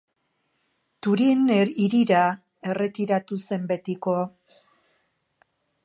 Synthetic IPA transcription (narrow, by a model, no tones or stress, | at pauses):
t̪uɾiniɾiɾa | e̞re̞t̪iɾat̪use̞mbe̞t̪iko̞